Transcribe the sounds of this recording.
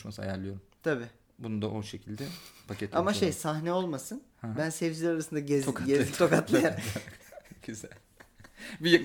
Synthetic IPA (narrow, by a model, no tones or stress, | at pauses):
ʃmasɯa̰jaɾlʲˠijo̞ɾumt̪ʰabiː | bunund̪aʔoʃecʰilʲd̪ɛpʰacʰet̪ʰamaʃe̞jsaɦnɛo̞lˠmasɯn | hbænsɛvd͡ʒilʲɛɾaɾasɯnd̪aɟezɟezt̪ʰokat̪lˠajaɾ | ɟyz̥ælʲ | bijak